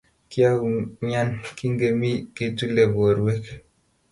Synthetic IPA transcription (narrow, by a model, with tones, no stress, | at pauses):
ki˦a˦u˨ɲa˦nki˦ŋɡe˨mi˦ke˨tu˦le˨bo˨ɾwe˦k